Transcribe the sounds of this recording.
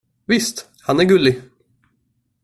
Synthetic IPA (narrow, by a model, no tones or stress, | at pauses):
vɪst̪ | hanæɾɡɵlɪ